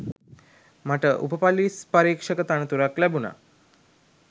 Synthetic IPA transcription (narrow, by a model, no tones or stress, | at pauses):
maʈəʔṵpəpalispəɾikʂəkət̪aɳət̪uɾaklɛbuna̰